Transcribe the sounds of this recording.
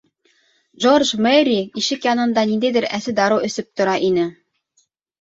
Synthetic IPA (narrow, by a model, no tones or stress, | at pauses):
ʒorʒmeɾʲiiʃɘkjɑnɤ̆nd̪ɑnind̪æjd̪ɘɾæsɘd̪ɑɾɤwɵ̆sɘp̚t̪ŏɾɑʔinɘ